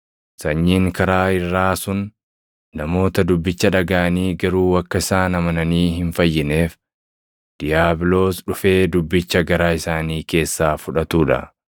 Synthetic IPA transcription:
sɐɲːiːŋkɐɾaːɪrːaːsʊnː | ɐmo̞ːt̪ɐd̪ʊbːɪt͡ʃːɐᶑɐɡaːniːɡɐɾuːɐkːɐɪsaːnɐmɐnɐniːɦɪnfɐjːɪne̞ːf | d̪̥ɪjaːbɪlo̞ːsᶑʊfe̞ːd̪ʊbːɪt͡ʃːɐɡɐɾaːɪsaːniːke̞ːsːaːfʊᶑɐt̪uːᶑɐ̰

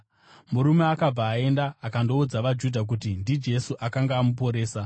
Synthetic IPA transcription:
muɾumeakab͡vaːe̞ndaːkando̞ud͡zaʋad͡ʒudʱak̬utindid͡ʒe̞suʔakaŋɡaːmup̬o̞ɾe̞ːsa

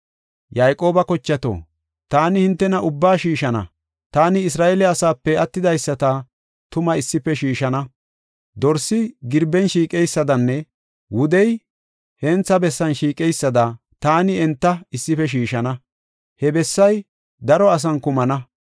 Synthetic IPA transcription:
jajkʼo̞ːbɐkɔt͡ʃːɐt̪o̰ː | t̪aːnɪhɪnt̪ːɛnɐʔʊbːaːʃiːʃɐnɐ̰ | t̪aːnɪɪs̬ɾaːʔeːlɛɐsaːpːɛɐt̪ːɪd̪ɐjsːɐt̪ɐ | t̪ʊmɐɪsːɪpːɛʃiːʃɐnɐ | d̪ɔɾsɪɡɪɾbɛnʃiːkʼɛjsːɐd̪ɐnːɛ | wʊd̪ɛj | hɛnt͡sːɐbɛsːɐnʃiːkʼɛjsːɐd̪ɐ | t̪aːnɪɛnt̪ːɐɪsːɪfɛʃ̬iːʃɐnɐ | hɛbɛsːɐj | d̪ɐɾɔɐs̬ɐnkʊmɐnɐ

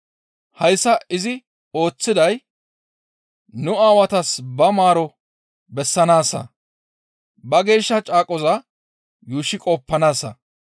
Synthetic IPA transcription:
hɐjsːɐɪzɪ | o̞ːt͡sːɪd̪ɐj | nʊaːwɐt̪ɐsbɐmaːɾɔ | bɛsːɐnaːsːɐ̰ | bɐɡe̞ːʃːɐt͡ʃʼaːkʼɔzɐ | juːʃːɪkʼɔːpːɐnaːsːɐ̰

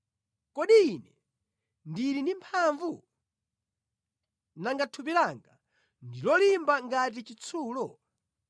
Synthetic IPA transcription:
kɔɗiinɛ | ndiɾindimpʰaɱvu | naŋɡatʰupilaŋɡa | ndilɔlimbaŋɡat̬it͡ʃit͡sʰuːlɔ

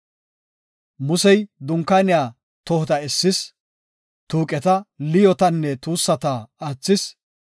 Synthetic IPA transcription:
mʊsɛjd̪ʊŋkːanɪjaː | t̪ɔhɔt̪ɐɛsːɪs | t̪uːkʼɛt̪ɐlɪjɔt̪ɐnːɛt̪uːsːɐt̪aːaːt͡sːɪs

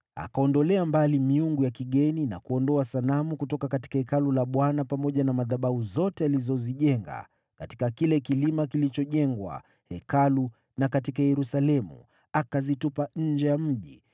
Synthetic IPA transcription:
a̰kaɔndɔlɛambalimiuŋɡujakiɠɛnina̰kuɔndɔasanamukutɔkakati̥kahɛkalulaɓwanapamɔʄanamaðaɓahuzɔtɛalizɔziʄɛŋɡa̰ | kati̥kakilɛkilimakilit͡ʃɔʄɛŋɡwa̰ | hɛkalu | nakatikajɛɾusalɛmṵ | akazitupaɲ̩d͡ʒɛjam̩ʄi

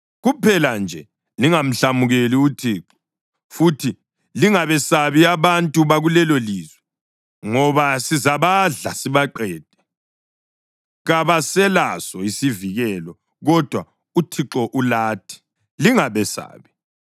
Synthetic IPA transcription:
ɣupʰɛland͡ʒʱɛ | liŋam̩ɬamuɣeliutʰiːǁɔ̥ | futʰi | liŋaβɛsaβiaβantʼuβaɣulɛloliːzwɛ | ŋɔβasizaβaɮasiβaǃɛːd̥̚ʱɛ | ɣaβasɛlasɔisiviɣɛlɔ | ɣɔd̥ʱwa | utʰiǁɔʔulaːtʰi̥ | liŋaβɛsa̰ːβi

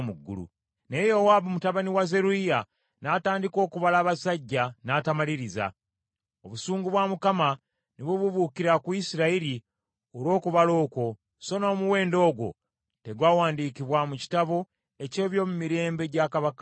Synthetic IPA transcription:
muɡːṵlṵ | nejowaβumutaβaniwaze̞ɾuija | nataːndiko̞ːkuβalaːβasaɟːanaːtamaliɾiza̰ | o̞βusuːŋɡuβwamukama | niβuβuβuːkiɾakuisiɾaiɾi | oɾwo̞ːkuβalo̞ːko̞ | so̞no̞ːmuwe̞ːndo̞ːɡwo̞̰ | te̞ɡwaːwaːndiːkiβwamuci̥taβo̞ | e̞ce̞ːβjo̞ːmumiɾe̞ːmbe̞ɟakaβak

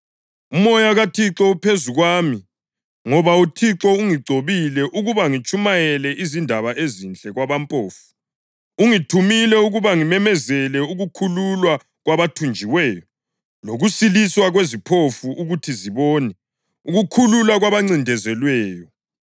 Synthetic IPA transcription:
umɔjaɣatʰiǁɔupʰezuɣwaːmi | ŋɔβautʰiǁɔuŋiɡ͡ǀʱoβilɛʔuɣuβaŋit͡ʃʼumajɛlɛʔizindʱaβaʔezint͡ɬʼɛɣwaβampʼoːfu̥ | uŋitʰumilɛuɣuβaŋimɛmɛzɛlɛuɣukʰululwa | ɣwaβatʰund͡ʒʱiwɛːjɔ | loɣusiliswaɣwezipʰofuʔuɣutʰiziβɔːnɛ | uɣukʰululwaɣwaβaŋ͡ǀindʱɛzɛlwɛːjɔ

